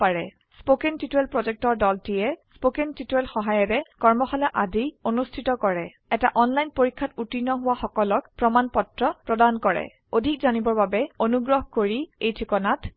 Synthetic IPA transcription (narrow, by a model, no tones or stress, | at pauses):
aɹɛ | spokentituelpɹɔzɛk̚tɔɹdɔltijɛspokentituwelxɔɦajɔɹɛkɔɹmɔxalaʔadionustʰitɔkɔɹɛ | ɛtaʔɔnlajnpoɹikʰːatutinɔɦʊwaxɔkɔlɔkpɹɔmanpɔtɹɔpɹɔdankɔɹɛ̰ | odʱikzanibɔɹbabɛonuɡɹɔɦkoɹiejtʰikɔnat